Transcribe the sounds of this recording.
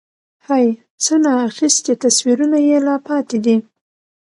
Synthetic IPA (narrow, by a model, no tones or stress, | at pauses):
haj | t͡sənɑːxist̪et̪aswiɾunajelɑpɑt̪ed̪i